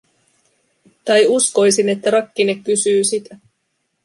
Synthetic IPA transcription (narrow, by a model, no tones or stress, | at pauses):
t̪ɑjusko̞jsine̞t̪ːæɾɑkːine̞kːysyːsit̪æ